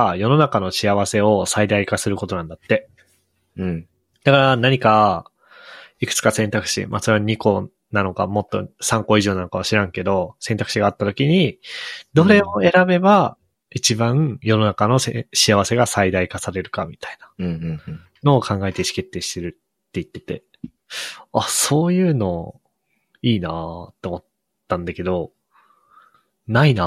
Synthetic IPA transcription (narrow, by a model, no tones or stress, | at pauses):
ajo̞no̞nakano̞ɕiaβ̞ase̞o̞said̪aikasɨɾɯ̟ko̞t̪o̞nãnd̪at̪ːe̞ | d̪̥akaɾanaɲ̟ika | ikɯ̟̥t͡sɨ̥kasẽ̞nt̪akɯ̟̥ɕḭmʔa̰soɾe̞aɲ̟iko̞ | nano̞ka̰mo̞t̪ːo̞̰sãŋko̞iʑo̞ːnanokaβ̞aɕiɾãŋke̞d̪o̞sẽ̞nt̪akɯ̟ɕiɡaːt̪ːat̪o̞kʲiɲ̟id̪o̞ɾe̞o̞e̞ɾabe̞ba | it͡ɕibãjo̞no̞nakano̞seɕiaβase̞ɡasaid̪aikasaɾe̞ɾɯ̟kamʲit̪ainḁ | no̞ːkʰãŋɡaet̪eɕi̥ke̞t̪ːe̞ːɕi̥t̪e̞ɾɯ̟ | t̪ːe̞it̪ːe̞t̪e̞̰ | aso̞ːjɯ̟ːno̞ | iːna̰t̪ːe̞omo̞t̪ː | ãnd̪ake̞d̪o̞ | naina